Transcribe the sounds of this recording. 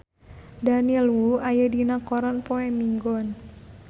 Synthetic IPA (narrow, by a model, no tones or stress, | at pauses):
daniɛlwuajədinakɔɾɔnpoɛmiŋɡɔn